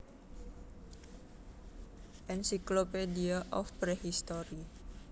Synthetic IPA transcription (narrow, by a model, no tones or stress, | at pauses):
ʔɛnsiklopediaʔɔfpɾehist̪oɾi